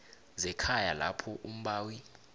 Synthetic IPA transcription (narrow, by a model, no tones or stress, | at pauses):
zɛkʰajala̰pʰɔʔum̩ɓaːwi